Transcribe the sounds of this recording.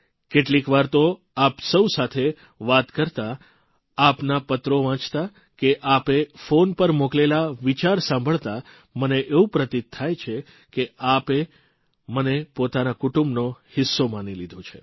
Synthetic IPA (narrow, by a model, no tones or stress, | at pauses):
keʈlikʋaɾt̪o | apsəwsat̪ʰe | ʋat̪kəɾt̪aː | pnapət̪ɾoʋãt͡ʃt̪a | keʔapefonpəɾmoklelaʋit͡ʃaɾsãmbʱəɭt̪a | məneʔeʋũpɾət̪it̪ʰːajt͡ʃʰe | keape | mənepot̪anakuʈũmbnohɪsːomanilid̪ʱõt͡ʃʰe